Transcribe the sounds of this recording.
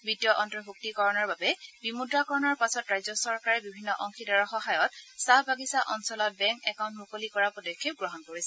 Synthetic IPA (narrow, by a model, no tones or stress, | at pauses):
bitijɔʔɔntɹɔɦuk̚tikɔɹɔnɔɹbabɛbimudɹakɔɹɔnɔɹpasɔtɹajzɔsɔɹkaɹɛbibʱinːɔʔɔŋxidaɹɔxɔɦajɔt̚saɦbaɡisaʔɔnsɔlɔt̚bɛŋkɛkaw̃ntmukolikɔɹapɔdɔkʰːeɡɹɔɦɔnkoɹisɛ